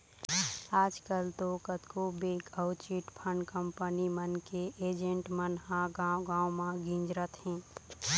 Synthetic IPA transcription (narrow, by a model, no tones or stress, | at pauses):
aːd͡ʒkəlt̪okət̪kobeːɡəʊt͡ʃiʈpʰəɳɖkəmpənimənkeʔeːd͡ʒẽɳʈmənɦãɡaɡãːwmãɡĩːnd͡ʒɾət̪hɛ̃ː